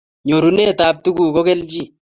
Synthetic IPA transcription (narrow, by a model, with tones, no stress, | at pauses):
ɲo˨ɾuneː˦t̪aː˨b̚t̪ʊ˦ɡuː˨kɔ˦kɛ˦ld͡ʒi˦